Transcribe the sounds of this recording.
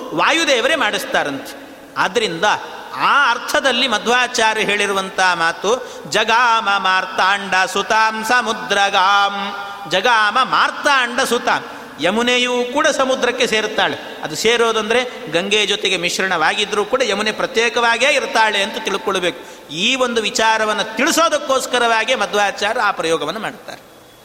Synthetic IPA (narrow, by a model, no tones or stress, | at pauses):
ʋaːjud̪ɛːʋɐɾe̞maːɽist̪aːɾɐnt̪e̥ | ɐd̪ɐɾind̪ɐ | aːɐɾt̪ʰɐd̪ɐlːimɐd̪ʱʋaːt͡ʃaːɾɐɦe̞ːɭiɾuʋɐnt̪ɐɦɐmaːt̪u | d͡ʒɐɡaːmɐmaːɾt̪aːɳɖɐsut̪aːmsɐmud̪ɾɐɡaːm | d͡ʒɐɡaːmɐmaːɾt̪aːɳɖɐsut̪aːm | jemunejuːkuːɽɐsɐmud̪ɾɐkːe̞seːɾt̪ːaːɭe | ɐd̪useːɾoːd̪ɐnd̪ɐɾe̞ | ɡɐŋɡeːd͡ʒɔt̪eɡe̞miʃɾɐɳɐʋaːɡid̪ːɾuːkuːɽɐjɐmunepɾɐt̪jɛːkɐʋaːɡeːiɾt̪aːɭeɐnt̪ɐt̪iɭikoɭːɐbeːku̥ | iːʋond̪uʋit͡ʃaːɾɐʋɐnːɐt̪iɭisoːd̪ɐkːoːskɐɾɐʋaːɡiemɐd̪ʋaːt͡ʃaːɾɐaːpɾɐjɔːɡɐʋɐnːɐmaːɽt̪ːa̰ːɾe